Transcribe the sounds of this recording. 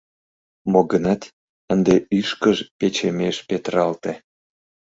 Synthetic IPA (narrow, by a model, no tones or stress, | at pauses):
moɣənɑt̪ | ənd̪eyʃkəʒpet͡ɕemeʃpet̪ɾɑlt̪e